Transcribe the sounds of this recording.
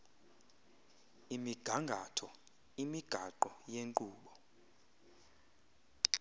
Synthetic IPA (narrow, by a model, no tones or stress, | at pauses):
imiɡ̥ʱaŋɡʱatʰɔ | imiɡ̥ʱaǃɔjeŋǃuːɓɔ